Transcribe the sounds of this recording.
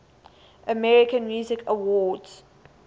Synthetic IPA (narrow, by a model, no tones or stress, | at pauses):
ʔəmɛɹɪkə̃nmjuːzɪkʰəwɔdz̥